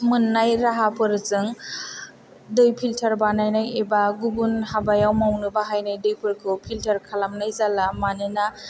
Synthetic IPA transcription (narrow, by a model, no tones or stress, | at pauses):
mɯnːajɾaɦapʰɯɾzɯŋ | dɯjpʰiltʰɐɾbanajnajebaɡubunhabajawmawnɯbaɦajnajdɯjpʰɯɾkʰupʰiltəɾkʰalamnajzalamanina